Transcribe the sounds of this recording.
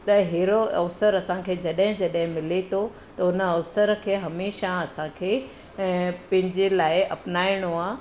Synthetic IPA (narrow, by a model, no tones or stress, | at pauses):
t̪ɐɦeːɾoʔɐ̰ʋsəɾɐsãkʰeːd͡ʑɐɗɦɪ̃d͡ʑɐɗɦɪ̃mɪlet̪ʰo | t̪ɐʊnəɐʋsəɾkʰeːɦɐmeːʃãɐsãkʰeː | pɐ̃ɦɪ̃ɲd͡ʑelaːɪɐpnaːɪɽ̃oaː